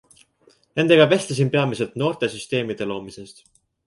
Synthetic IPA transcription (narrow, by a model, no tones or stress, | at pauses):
ne̞nd̪̥e̞ɡ̥ɑvest̪ɑs̬impe̞ɑmise̞lt̪no̞ːrt̪e̞syst̪e̞ːmid̪̥e̞lo̞ːmise̞st̪